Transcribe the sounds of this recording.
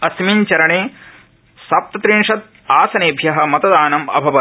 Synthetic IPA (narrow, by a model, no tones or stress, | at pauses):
ɐsmiɲt͡ʃɐɾɐɳeː | sɐp̚t̪ɐt̪ɾinʂɐt̪̚ | aːsɐneːbʱjɐɦɐ̆mɐt̪ɐd̪aːnɐmɐ̰bʱɐʋɐ